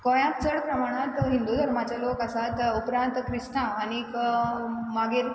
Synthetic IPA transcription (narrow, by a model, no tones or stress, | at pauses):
kõjãmt͡səɽpɾəmaɽ̃at̪ɦĩnd̪ud̪ʱəɾmat͡ɕalokasat̪upɾãnt̪kɾist̪ãːnik | maɡeɾ